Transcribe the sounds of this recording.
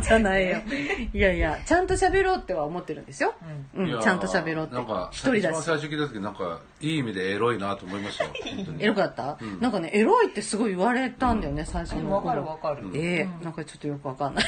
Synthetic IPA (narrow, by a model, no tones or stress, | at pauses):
d͡ʑanaijojajat͡ɕãnt̪o̞ɕabe̞ɾo̞ːt̪ːe̞βaomo̞t̪ːe̞ɾɯ̟̃nd̪e̞sɨjo̞ɯ̟̃ɴt͡ɕãnt̪oɕabe̞ɾo̞ːtnẽŋka̰çi̥t̪oɾʲid̪asaiɕokʲiːt̪at̪okʲiinãŋka̰ | iːimʲid̪e̞ːɾo̞inat̪oːmoimasɨ̥ooeɾo̞kat̪ːanãŋkane̞ʔe̞ɾo̞it̪ːe̞sɨɡo̞iɯβaɾe̞t̪ãnd̪ajone̞saiɕo̞nokoɾoɾeːnãŋkat͡ɕo̞̥t̪ːojo̞kɯ̟βakanːa